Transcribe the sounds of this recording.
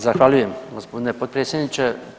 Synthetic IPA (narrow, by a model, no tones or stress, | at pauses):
zaxʋaʎuje̞mɡospo̞d̪inepot̪̚pɾet̪sjed̪nit͡ʃe̞